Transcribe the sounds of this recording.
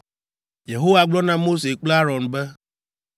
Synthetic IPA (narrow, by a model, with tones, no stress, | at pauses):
je˨ɦo˦wa˨ɡ͡blɔ˦nã˦mo˦se˨k͡plɛ˦a˦ɾɔ˨nbɛ˦